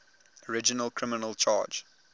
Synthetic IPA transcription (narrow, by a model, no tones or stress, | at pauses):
ɔɹɪd͡ʒənəlˠkʰɹɪmɪnəlˠt͡ʃʰɑ̰ːd͡ʒ